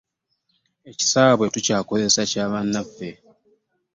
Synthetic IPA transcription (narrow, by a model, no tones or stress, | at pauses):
e̞ci̥saːβwetucaːko̞zesacaːβanːafːe̞